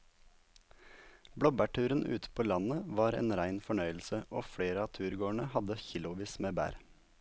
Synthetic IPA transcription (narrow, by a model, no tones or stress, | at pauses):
bɽɔbæʈʰʉːɾənʔʉ̰ːt̪ə̥pʰoːlɑnəʋɑːɾḛːnɾæɪnfɔɳœʏl̩səʔoːfɽeːɾəɑːt̪ʰʉːɾɡoːəɳəhɑd̪əçɪlʊʋiːsmeːbæ̰ːɾ